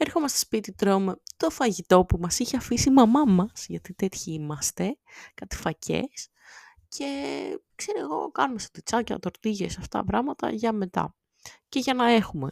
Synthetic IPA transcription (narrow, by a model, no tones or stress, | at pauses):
eɾxo̞mɐst̪ospit̪it̪ɾomet̪o̞fɐʝit̪o̞pumɐsiçeɐfisimɐmɐmɐsʝɐt̪it̪e̞t̪çiimɐst̪e̞kɐt̪i̥fɐcʰe̞̰s | cʰe̞kseɾieɣo̞̰kɐnumest̪ot̪it͡sɐcet̪ɐ̰t̪o̞ɾt̪iʝḛsɐft̪ɐ̰pɾɐɣmɐt̪ɐ̰ʝɐme̞t̪ɐ̰ | ce̞ʝɐnɐe̞xume